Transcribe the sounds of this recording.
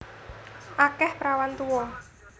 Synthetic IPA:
ʔakɛhpɾawant̪uwɔ

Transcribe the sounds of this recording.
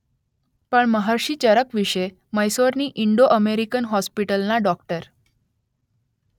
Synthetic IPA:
pəɳməɦəɾɕiːt͡ɕəɾəkʋiʂe | məjsoɾniːʔiɳɖoʔəmeɾikənɦɔspiʈəlnaɖɔkʈəɾ

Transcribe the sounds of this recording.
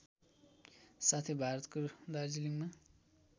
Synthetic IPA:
sat̪ʰibʱaɾʌt̪kod̪aɾd͡ziliŋma

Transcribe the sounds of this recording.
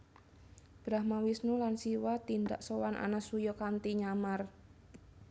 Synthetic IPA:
b̥ɾahmawisnulansiwat̪ind̪a̰ʔsowanʔa̰nasujɔkant̪iɲamar

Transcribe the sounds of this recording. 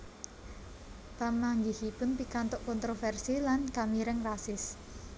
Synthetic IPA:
pamaŋɡihipʊnpikant̪ɔʔkɔnt̪ɾofɛrsilankamiɾəŋrasɪs

